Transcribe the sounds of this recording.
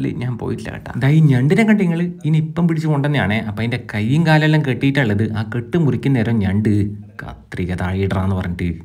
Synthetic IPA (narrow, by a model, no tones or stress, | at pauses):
lːḭɲaːnpo̰ːjiʈːilɐ̰kɐ̰ʈːa̰d̪aːiɲɐɳɖinekːɐɳɖiŋːɐɭɨinipːɐmpiɽit͡ɕːɨkoɳɖenːɨja̰ːɳeʔɐpːɐːinde̞kɐjːiŋkaːlɐlːɐmkeʈːijiʈːaːɭːɐðɨʔaːkeʈːɨmuɾikʲːunːɐeːɾoːɲɐɳɖɨ | kɐ̰t̪riɣɐt̪aːɻijiɽɐraːenːɨpɐrɐɲːiʈːɨ